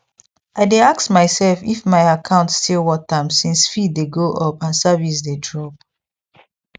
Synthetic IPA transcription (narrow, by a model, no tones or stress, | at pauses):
aɪdeaksmaɪsɛlfḭfmaɪakʰãʊ̃ntstʰilwɔtãmsĩnsfiddeɡoʔɔpãnsavis̬dedɹɔp̚